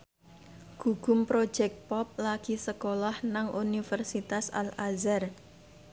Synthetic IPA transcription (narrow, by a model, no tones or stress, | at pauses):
ɡ̥uɡ̥ʊ̤mpɾo̥d͡ʒɛk̚t̪̚pɔp̚laɡ̥isəkolahnaŋʔunifərsit̪asa̰lazar